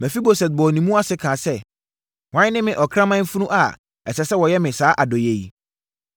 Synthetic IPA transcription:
mæ̃˨fi˦bo˨sɛ˨t̪̚bɔ˨nĩ˨mũ˦a˦sɪ˦kʰãː˨sɛ˦ | ŋã˨˦ɪ˦nɪ̃˦mɪ̃˨ʔɔ˨kʰɾã˦mã˦m̩˦fu˦nũ˦ʔa˨ | ɛ˨sɛ˨sɛ˦wɔ˨jɛ˦mɪ̃˨saː˦ʔa˨dɔ˨je˨ji˨

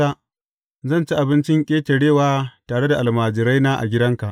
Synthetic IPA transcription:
a˦ | zɐ˦˨nt͡ʃi˦ʔa˨bɪ˦nt͡ʃɪ˦ŋkʲʼeː˦tʲe˨ɽeː˦˨waː˦taː˨ɽe˦da˨ʔa˨lmaː˨d͡ʒɪ˨ɾa˦jnaː˦ʔa̰˨ɡʲɪ˦dɐ˦ŋka˨ʔ

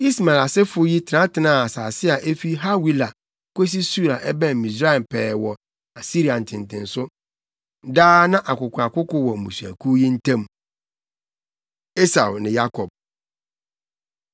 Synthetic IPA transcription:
i˦sma˨la˨sɛ˦fʊ˦ji˦tʰɪ˨nã˦tʰɪ˨nã˦˨a˨saː˨sɪ˦a˨ʔe˦fi˦ɦa˦wi˦la˨ | ke˦s̬i˦su˦ɾa˨ʔɛ˦bɛ̃˦˨mĩ˨sɾa˦ɛ˨pʰɛː˨wɔ˨ | a˨si˦ɾi˨a˨n̩˨tʰɪ̃˨n˨tʰɪ̃˨n̩˨sʊ˦ | daː˦nã˦ʔa˨kʊ˨kʷʰa˨kʊ˦kʊ˦wɔ˨mṵ̃˨sæ̰˨kʰu˦ji˦n̩˦tʰã˦m | e˦sa˨wnɪ̃˨ja˦kʰɔ˨b̥̚

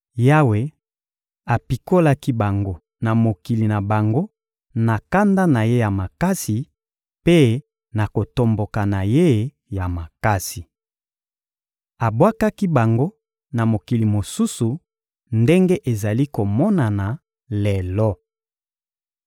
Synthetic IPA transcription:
ja˦we˨ | a˨pi˨ko˦la˦ki˦ba˨ŋɡo˦ | na˨mo˨ki˨li˨na˨ba˨ŋɡo˦ | na˨ka˦nda˦na˨je˦ja˨ma˨ka˦si˨ | pe˦ | na˨ko˨to˨mbo˨ka˨na˨je˦ | ja˨ma˨ka˦si˨ | a˨bwa˦ka˦ki˦ba˨ŋɡo˦ | na˨mo˨ki˨li˨mo˨su˦su˨ | nde˦ŋɡe˦ʔe˨za˨li˦ko˨mɔ˦na˨na˨ | lɛ˨lɔ˦

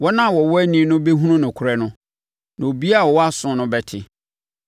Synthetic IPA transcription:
wɔ˦nã˦˨wɔ˨wɔ˦æ˦nĩ˨˦nʊ̃˦bɛ˦ɦũ˦ɾʊ̃˦nʊ̃˨kʰʊ˨ɾɛ˦nʊ̃˦ | nã˨o˨bi˦a˦˨wɔ˨wɔ˦a˦sʊ̃˨nʊ̃˦bɛ˦tʰɪ˨

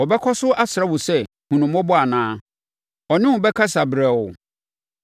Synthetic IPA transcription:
ɔ˨bɛ˦kʰɔ˦sʊ˦ʔa˦sɪ˨ɾa˦wʊ˨sɛ˦ | hũ˨nʊ̃˨mɔ̃˦bɔ˦a˨nãː˦ | ɔ˨nɪ̃˦wʊ˨bɛ˦kʰa˦sa˨bɾɛ˨ʊ˨

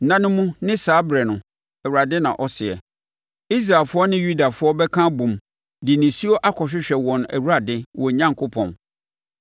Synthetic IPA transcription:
nã˦nʊ̃˦mũ˦nɪ̃˦saː˦bɾɛ˨nʊ̃˨ | ɛ˨wu˨ɾa˨dɪ˦nã̰˨ʔɔ˦sɪ˨ɛ̰˨ | i˦s̬ɾa˨lfʊ˦ɔ˦nɪ̃˦ju˦da˨fʊ˦ɔ˦bɛ˦kʰã˦bũ˨m | dɪ˨nɪ̃˨si˦ɔ˦ʔa˦kʰɔ˨ɕᶣɪ˦ɕᶣɛ˨wɔ̃˨næ̰˨wu˦ɾa˨dɪ˦wɔ˨ɲã˦ŋ˨kʰʊ˦pʰɔ̰̃˨n

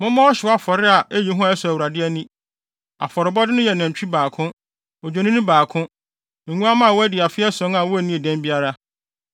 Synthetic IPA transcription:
mʊ̃˦mã˦ɔ˦ɕɪ˨˦a˦fɔ˨ɾɪ˦a˨ʔæ˦ji˨ɦũ˦a˨ɛ˦sʊ˨æ˨wu˨ɾa˨dɪ˦ɛ˦nĩ˦ | a̰˨fɔ˨ɾɪ˨bɔ˦dɪ˦nʊ̃˦jɛ˨nã˨ɲ˨t͡ɕᶣi˦baː˨kʰʊ̃˦ | o˨d͡ʑᶣe˨nĩ˦nʊ̃˦baː˨kʰʊ̃˦ | ŋ̩˨ŋũ˦a˦mã˦˨wɔ˦æ˦dɪ˨a˨fɪ˦ɛ˦sʊ̃˦na˨wɔ˦æ˦˨nĩ˦e˨dæ̃˦mbi˦a˦ɾa˦

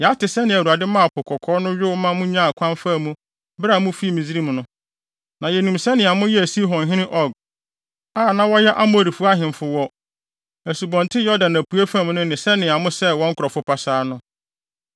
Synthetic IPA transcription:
jɛ˨a˦tɪ˨sɛ˦nɪ̃˨æ˨u˨a˨dɪ˦mã˦˨pʰʊ˨kʰɔ˨kʰɔː˦nʊ̃˦ɥᶣʊ˦wmã˦mʊ̃˦ɲã˦˨kʷʰã˦mfa˦˨mũ˦ | bɾa˨mũ˦fi˦˨mĩ˨zi˦ɾi˦m̃˨nʊ̃˦ | nã˨jɛ˨nũ˨msɛ˦nɪ̃˨a˨mʊ̃˦jɛ˦æ˨si˦ɦɔ̃˨n˨ɦɪ̃˦nɪ̃˦ʔɔ˦˨ɡ̚ | a˦˨nã˦wɔ˦jɛ˦ʔa˦mʊ̃˦æ˨ɾi˨fu˦a˦ɦɪ̃˨m˨fʊ˦wɔ˦ | æ˨su˨bɔ̃˨ntʰɪ˦jɔ˦dã˨næ˨pʰu˨˦æ˦fã˦m˨nʊ̃˦nɪ̃˨sɛ˦nɪ̃˨a˨mʊ̃˦sɛ˦wɔ̃˦ŋ̩˦kʰʊ˨ɾɔ˨fʊ˦pʰa˨saː˨˦nʊ̃˦

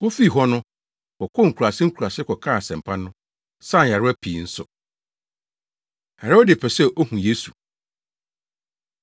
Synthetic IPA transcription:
wʊ˦fi˦˨ɦɔ˦nʊ̃˦ | kɔ˨kʰɔ˦ŋ̩˨kʰu˨a˨sɪ˦ŋ̩˦kʰu˨ɾa˨sɪ˦kʰɔ˨kʰa˦˨a˨sɛ̃˨m˨pʰa˦nʊ̃˦ | sã˦˨a˨ɾʊ˦æ˦pʰiː˨n̩˦sʊ˨ | hɛ˨ɾo˦dɪ˨pʰɛ˨sɛ˦ʔo˦hũ˨je˦su˨

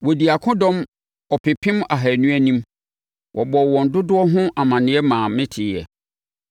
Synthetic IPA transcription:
wɔ˨di˨a˨kʰʊ̃˦dɔ̃˦m | ɔ˨pʰɪ˨pʰɪ̃˦ma˨ɦæ˨nũ˦æ˦nĩ˦m | wʔɔ˨bɔ˨wɔ̃˨n̩˨dʊ˦dʊ˦ɔ˦ɦʊ̃˦ʔa˨mã˨nɪ̃˨ɛ˦mãː˨mɪ̃˦tʰɪ˨˦ɛ̰˨

